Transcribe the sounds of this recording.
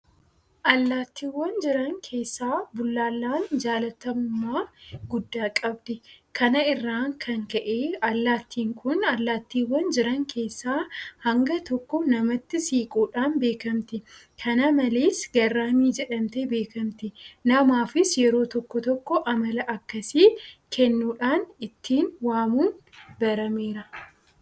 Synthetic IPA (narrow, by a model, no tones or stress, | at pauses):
ʔɐlːaːt̪ːiːwːɐnd͡ʒɪɾɐŋkʰe̞ːsːaːbʊlːaːlːaːnd͡ʒaːlɐt̪ɐmʊmːaːɡʊd̪ːaːkʼɐbd̪ɪkʰɐnɐɪrːaːŋkʰɐŋkɐʔeːɐlːaːt̪ʰːiːŋkʰʊnɐlːaːt̪ːiːwːɐnd͡ʒɪɾɐŋkʰe̞ːsːaːhɐŋɡɐt̪ɔkːɔnɐmɐt̪ːɪsiːkʼuːᶑaːnbe̞ːkɐmt̪ɪ | kʰɐnɐmɐle̞ːsɡɐrːaːmiːd͡ʒɛᶑɐmt̪ɛbe̞ːkɐmt̪ɪnɐmaːfɪsjɛɾo̞ːt̪ɔkːɔt̪ɔkːɔʔɐmɐlɐʔɐkːɐsiːkʰɛnːuːᶑaːnɪt̪ːiːnwaːmuːnbɐɾɐmeːɾɐ